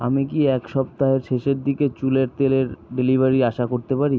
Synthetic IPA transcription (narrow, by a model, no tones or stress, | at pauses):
a̰mikiɛkʃɔp̚t̪aɦeɾʃeʃeɾd̪iket͡ɕuleɾt̪eleɾɖelibʱaɾiaʃakoɾt̪epaɾi